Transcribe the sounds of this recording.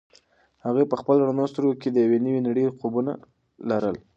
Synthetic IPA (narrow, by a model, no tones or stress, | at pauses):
haɣepəxpəlɽnɑst̪ɾoked̪əjawenəwinaɽəqobuna̰ | laɾəl